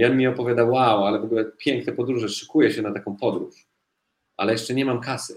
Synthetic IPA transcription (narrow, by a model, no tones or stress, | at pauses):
ɔnmʲiɔpɔvʲad̪awːawalɛvɔɡulɛpʲjɛŋknɛpɔd̪ɾuʐɛʂɨ̥kujɛɕɛnat̪akɔ̃w̃pɔd̪ɾuʂ | ʔa̰lɛjɛʂt͡ʂɛɲɛmamkasɨ